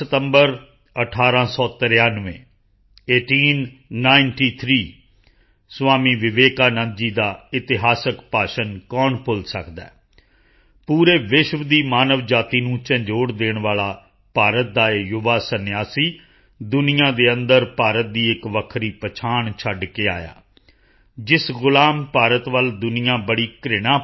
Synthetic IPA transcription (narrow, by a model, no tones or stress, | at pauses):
ət̪əmbəɾ | əʈʰaːɾãːsɔːt̪əɾjaːnʋẽː | eːʈiːnːaːɪnʈiːt̪ʰɾiː | sʋaːmiːʋɪʋeːkaːnəd͡ʒiːd̪aːɪt̪ɪɦaːsəkpaːʃənkɔːɳpʊlsəkd̪ɛ̰ː | puːɾeːʋɪʃʋd̪iːmaːnəʋd͡ʒaːt̪iːnũːt͡ʃə̃ɲd͡ʒoːɽd̪eːɳʋaːlaː | paːɾət̪̚d̪aːejʊʋaːsənɪjaːsiː | d̪ʊnɪjãːd̪eːənd̪əɾpaːɾət̪̚d̪iːɪkʋəkʰɾiːpət͡ʃʰaːɳt͡ʃʰəɖkeːa̰ːja̰ː | d͡ʒɪsɣʊlaːmpaːɾət̪ʋəld̪ʊnɪjãːbəɽiːkɾɪɽ̃aː